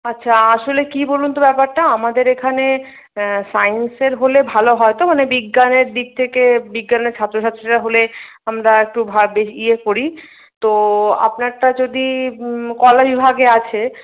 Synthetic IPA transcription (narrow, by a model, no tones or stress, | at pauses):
atːɕʰaaʃolekibolunt̪obɛpaɾʈaamad̪eɾekʰane | sajnseɾɦolebʱaloɦɔet̪omanebiɡːaneɾd̪ik̚t̪ʰekebiɡːaneɾt͡ɕʰat̪ːɾoʃʰat̪ːɾiʈaɦole | amɾaek̚ʈubʱabeʃiekoɾi | t̪oa̰pnaɾʈad͡ʑod̪ikɔlabibʱaɡeat͡ɕʰe